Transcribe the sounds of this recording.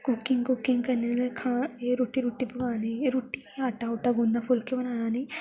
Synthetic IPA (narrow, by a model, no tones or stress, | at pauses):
kʊkːɪŋɡkʊkɪŋɡkənenkʰãːeɾuːʈːiɾuːʈːipʊɡaːniɾuːʈːiaːʈaʊʈaɡõnd̪apʰʊlkebənãːnaːni